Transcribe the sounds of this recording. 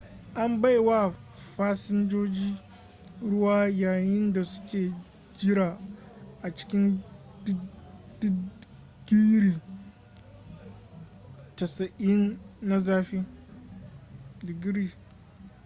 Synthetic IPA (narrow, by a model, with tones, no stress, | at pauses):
ʔa˦mba˦jwa˦ɸaː˦sɪ˦nd͡ʒoː˦d͡ʒiː˦ | ɽʊ˦waː˦jaː˨jɪ˦nda˨sʊ̥˦kʲeː˨ | d͡ʒɪ˦ɾaː˨ʔa˨t͡ʃɪ̥˦kʲɪ˦n | dd̥ɪ˦ | ɡi˦ɾi˨ | tɐ˨sɐ˨ʔɪ˦nːa˦zaː˦ɸiː˦ | dɪ˨ɡi˦ɾiː˦˨